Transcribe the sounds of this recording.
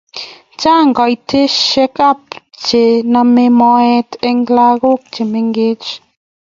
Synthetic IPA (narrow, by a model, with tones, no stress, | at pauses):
t͡ʃa˦˨ŋɡɔ˨i˨tʰe˦ʃe˦ka˦˨pt͡ʃe˨na˨me˦mɔ˦ɛ˦te˦ŋɡla˦ɣo˦k̚t͡ʃe˨me˨ŋɡe˦t͡ʃ